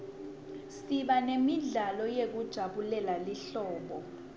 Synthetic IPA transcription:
siɓanemiɮalɔjek̬ud̥ʒ̥ʱaɓulɛlaliɬɔːɓɔ

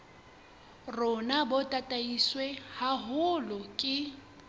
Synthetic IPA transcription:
rʊnabɔtʼatʼaiswɛhaɦʊlɔkʼɪ

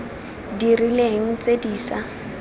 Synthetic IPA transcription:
dirileɦŋ̩t͡sediːsa

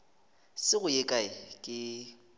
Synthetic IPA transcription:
sɪɣʊjekʼaɪkʼɪ

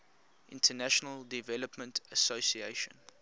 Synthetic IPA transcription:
ʔɪ̰̃ntʰənæʃənəldivɛləpmə̃ntʰəsosieɪʃə̰̃n

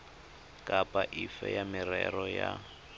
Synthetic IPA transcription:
kʼapʼaʔifɛjamirɛrɔja

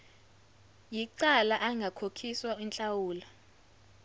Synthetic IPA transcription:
jiǀalaʔaŋɡʱakʰokʰiswaint͡ɬʼawuːla

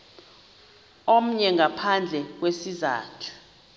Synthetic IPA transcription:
om̩ɲɛŋɡapʰand͡ɮʱɛk̬wesiza̰ːtʰu̥

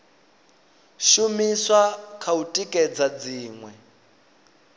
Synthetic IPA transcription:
ʃumiswakʰautʼikʼɛd͡zad͡ziːŋwɛ

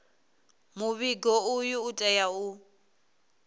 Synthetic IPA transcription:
mʊβiɡɔʊjʊːtʼɛjaʊ

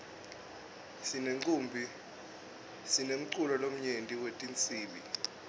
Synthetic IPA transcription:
sineŋǀʼumbʱi | sinem̩ǀulɔlom̩ɲentʼiwetʼint͡sʼiːɓi

